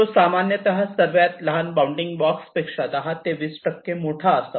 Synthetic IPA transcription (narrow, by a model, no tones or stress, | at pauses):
osamanjət̪ɐɦasəɾʋjat̪lɐɦanbawuɳɖiŋɡbɔkspekʂad̪aɦat̪eʋisʈəkːemoʈʰaəsa